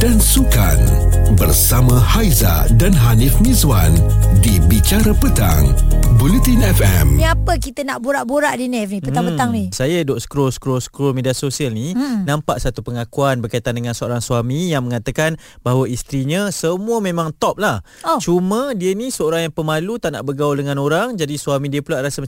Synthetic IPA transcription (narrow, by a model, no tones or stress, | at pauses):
dansuka̰n | bərsamãhajza̰ | danɦanifnizwandibit͡ʃaɾapət̪a̰ŋbulit̪inɛfɛmapəkit̪ənaʔboɾaʔboɾaʔdinɛfnipəaŋpət̪aŋnisajadɔʔskɾoskɾoskɾolmediasosialninãmpaʔsat̪upəŋakuanbərkait̪andəŋansəoɾaŋswamijaŋmə̃ŋat̪akan | b̥aɦwaist̪ɾiɲəsəmuəmẽmãŋt̪ɔp̚lah | t͡ʃumədiənisəoɾaŋjaŋpəmalut̪aʔna̰ʔbəɡauldəŋãnoɾaŋd͡ʒadisuamidiəpulaʔɾasə